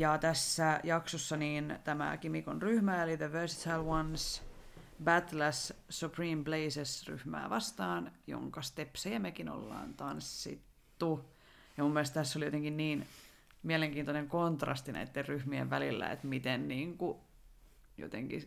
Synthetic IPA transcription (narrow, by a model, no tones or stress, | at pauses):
jɑt̪æsːæjɑksosːɑniːnt̪æmæ̰kimikonryhmæeliðəʋøːsi̥t̪ʰælwɑns | bæt̪læssupriːmpleisesry̰hmæ̰ːʋɑst̪ɑːnjo̰ŋkɑst̪epsejɑmekino̰lːɑ̰ːnt̪ɑnsːḭt̪ːu | jɑmumːielest̪t̪æsːolijot̪eŋkinniːn | mieleŋkiːnt̪oneŋkont̪rɑ̰st̪inæ̰it̪ːerryhmiḛʋʋælilːæ̰ḛt̪mit̪enniːŋku | jo̰t̪ḛŋkḭ